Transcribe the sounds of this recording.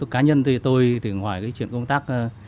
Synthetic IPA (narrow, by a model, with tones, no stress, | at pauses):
kaː˨˦ɲə˧nt̪ʰi˨˩t̪o˧jt̪ɨ˨˩ŋɦwaː˧˩jkaː˨˦t͡ɕwḭ˧˨ənkə˧wŋ͡mt̪aː˦˥k̚ː